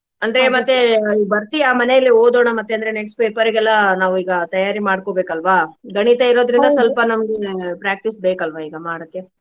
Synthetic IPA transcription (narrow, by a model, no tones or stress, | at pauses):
ɐnd̪ɐɾe̞mɐt̪ːebɐɾt̪iaːmɐnejɐlːioːd̪oːɳɐmɐt̪ːeɐnd̪ɐɾeneksʈ̚peːpɐɾiɡɛlːɐnaːʋuiːɡɐt̪ɐjaːɾimaːɽkobeːkɐlʋaɡɐɳit̪ɐiɾo̞ːd̪ɾind̪ɐsɐlpɐnɐmɐɡepɾaːk̚ʈisbeːkɐlʋɐiːɡɐmaːɽɐkːe